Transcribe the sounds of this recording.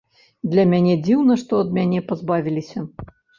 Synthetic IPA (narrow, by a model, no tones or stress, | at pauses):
d̪lʲɐmʲanʲɛd͡zʲiwnɐʂt̪ɔɐd̪̚mʲanʲɛpazbavʲilʲisʲɐ